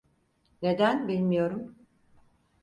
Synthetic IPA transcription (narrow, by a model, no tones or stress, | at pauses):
ne̞d̪ænbilʲmijo̞ɾum